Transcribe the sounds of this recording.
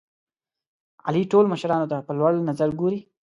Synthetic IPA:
a̰liʈolməʃɾɑnot̪apəlwaɽnazaɾɡoɾi

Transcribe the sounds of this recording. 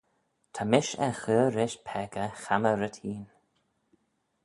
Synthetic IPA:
t̪ʰamɪʃɛ̰xəːɾɪʃpʰɛɡəxaməɾət̪ʰiːn

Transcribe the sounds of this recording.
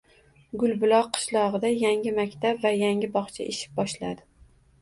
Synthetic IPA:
ɡʊlˠbʊlˠɒqʰːɨ̥ʃlˠɒʁɨd̪ajaŋʲɪmakʲt̪ʰapvajaŋʲɪbɒχt͡ʃʰa̰ʔeʃɪ̥p̚bɒʃlad̪ɪ

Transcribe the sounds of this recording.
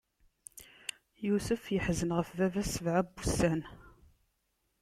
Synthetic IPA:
jusəfjəħzənʁəfvævæsəvʕabːustæn

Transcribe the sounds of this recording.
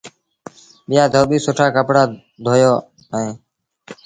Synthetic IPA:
ɓɪjaːd̪ʱoːɓiːsʊʈʰaːkəpɽaː | d̪ʱoːjoː | əẽː

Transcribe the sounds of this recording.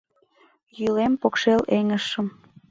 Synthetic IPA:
jylempokʃeleŋəʃəm

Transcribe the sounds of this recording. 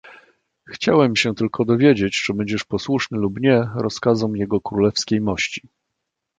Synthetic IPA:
xt͡ɕawɛmɕɛt̪ɘlkʰɔd̪ɔvʲjed͡ʑet͡ɕʐɛbɛɲd͡ʑɛʂpɔswuʂnɘlubɲɛɾɔskazɔmjɛɡɔkɾulɛfskʲejmɔɕt͡ɕi

